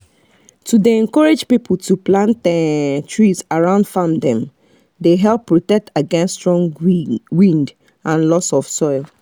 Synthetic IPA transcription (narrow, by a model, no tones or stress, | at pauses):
tʰudeɛ̃nkɔɹed͡ʒpipʰl̩tʰuplãnt̚ɛtʰɹizaɹãʊ̃ndfamdɛ̃m | deɦɛlˠpːɹɔtɛk̚tʰaɡɛ̃nstɹɔ̃ŋwĩnd | ãnlɔsɔfsɔɪlˠ